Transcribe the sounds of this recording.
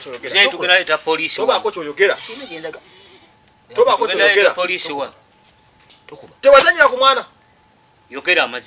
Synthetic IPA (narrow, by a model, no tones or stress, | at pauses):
zɛtukinalɛtapolisiwakɔt͡ʃɔjɔɡɛɾa | tɔβakɔkɔnalɛtaapolisiwa | tɛwazaɲiɾakumwana | jɔɡɛɾamazi